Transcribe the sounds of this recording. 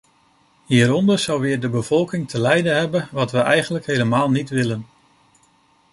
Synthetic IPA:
ɦiːɾɔndəɹz̥ʌwʋɪːɹdəbəvɔlˠkɪŋtʰəlɛjdənɦɛbənʋɑtʋəʔɛjχənləkɦejləmaːlˠnitʋɪlən

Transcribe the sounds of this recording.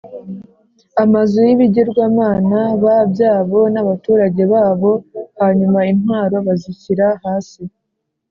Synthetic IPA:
amazujiβiɟeɾɡwaːmaːnaβabjaːβo̞naβatuːɾaɟe̞βaːβo̞haɲumainhwaːɾo̞βaziciɾahaːsi

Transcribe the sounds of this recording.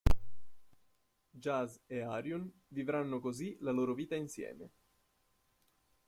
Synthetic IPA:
d͡ʒazeaɾjunvivɾanːokozilaloːɾoviːt̪ainsjɛ̰ːme

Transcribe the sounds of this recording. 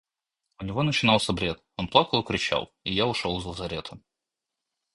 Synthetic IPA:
ʊnʲɪvo̞nət͡ɕɪnɑlˠsʲəbɾʲe̞t̪ | onplˠakəlˠɨkɾʲɪt͡ɕa̰lˠɪjaʊʂolˠzlˠəzɐɾʲe̞t̪ʰə

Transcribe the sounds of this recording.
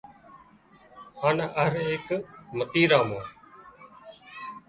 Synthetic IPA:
haːnaʔəɦɾeːɦɪkmət̪iːɾaːmõː

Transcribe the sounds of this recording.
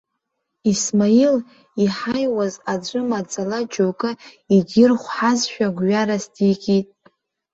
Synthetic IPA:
ismail | iħajwazad͡ʒʷʼɨmad͡zʼalad͡ʒʼowkʼɨ | iɡʲɪrχʷħazʃᶣaɡʷɥaɾasdiɡʲʼitʼ

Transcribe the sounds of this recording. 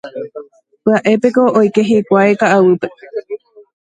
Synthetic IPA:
pɨaʔe̞pe̞ko̞ojke̞ɦekʷaekaʔawɨpe̞

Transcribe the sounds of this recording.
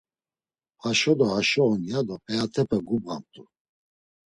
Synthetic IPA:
haʃɔd̪ɔhaʃɔɔnjad̪ɔpʼɛat̪ʰɛpʰɛɡubʁa̰mt̪ʼu

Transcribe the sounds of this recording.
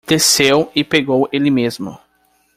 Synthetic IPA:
d̪̥esewɪpeɡowelɪmezmʊ̰

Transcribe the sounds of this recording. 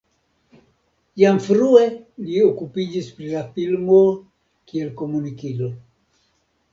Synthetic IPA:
jamfɾueliokupid͡ʒispɾilafilmo̞ | kie̞lko̞munikilo̞

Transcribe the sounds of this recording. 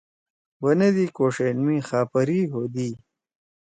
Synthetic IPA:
wɐned̪ikoːʂenmĩːxaːpɐɾiːɦoːd̪i

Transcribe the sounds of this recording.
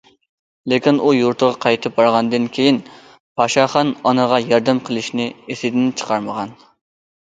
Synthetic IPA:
lekʲinujuɾt̪ʰəʁɑqʰɑjt̪ʰɨp̚bɑɾʁɑnd̪ɨnkʲʰejin | pʰɑʃɑχɑnɑnəʁɑjɑɾd̪ɛmqʰəlˠɪʃnɪesɪd̪ɪnt͡ʃʰə̥qʰɑɾməʁɑn

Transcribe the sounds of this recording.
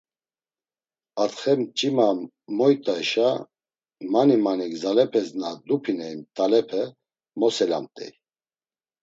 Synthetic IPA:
at̪χɛmt͡ʃʼimam | mɔjt̪ʼaɛʃa | manimaniɡzalɛpʰɛznad̪upʰinɛimt̪ʼalɛpʰɛ | mɔsɛla̰mt̪ʼɛ̰j

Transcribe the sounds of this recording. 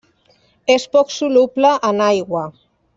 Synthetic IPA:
espɔksuluplaʔːnajɣwa

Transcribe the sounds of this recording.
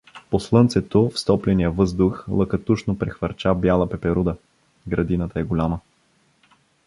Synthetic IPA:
poslˠɤnt̪sɛt̪ofst̪ɔplʲɛnijəvɤzd̪ʊxlˠəkɐt̪uʃnopɾɛxvɐɾt͡ʃabjalˠəpɛpɛɾud̪ə | ɡɾɐd̪inət̪əɛɡʊlʲamə

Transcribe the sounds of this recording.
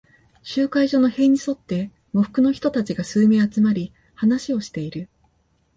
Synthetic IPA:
ɕɨːkaiʑo̞ːno̞he̞ɲ̟iso̞t̪ːe̞ | moɸɯ̟̥kɯ̟no̞çʲi̥t̪o̞t̪at͡ɕiɡasɨːme̞ːat͡sɨmaɾʲi | hanaɕio̞ɕi̥t̪e̞iɾɯ̟

